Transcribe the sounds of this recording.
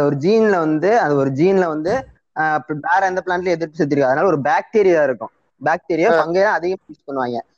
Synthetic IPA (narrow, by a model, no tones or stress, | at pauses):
ɐɔɾɯd͡ʒiːnlɐʋɐnd̪ɯɐnd̪ɐɔɾɯd͡ʒiːnlɐʋɐnd̪ɯ | aːɾɐɐnd̪ɐplaːnʈɪlɐɛðɪɾpːɪs̬ɛt̪ːɪɾɯkːɐðɐnaːlɔɾɯbaːk̚ʈeːɾɪɾãːɪɾɯkːʊ̰̃ | bjaːk̚ʈeːɾɪjapɐŋɡeːlãːɐðɪjɐ̃it͡ʃɯ̥kːɐɳːɯʋaːŋɡɐ